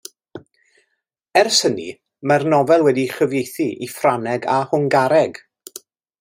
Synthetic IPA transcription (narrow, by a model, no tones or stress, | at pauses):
ɛrsənḭ | marnɔvɛlˠwɛdiχəvjejθiʔifranɛɡahʊŋɡaɾɛɡ̥